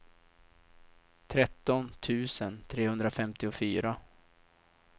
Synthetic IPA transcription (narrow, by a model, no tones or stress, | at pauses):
t̪ʰɾɛt̪ːɔnt̪ʰʉ̟ːsənt̪ʰɾeːhɵnd̪ɾafɛmt̪ɪɔfyːɾa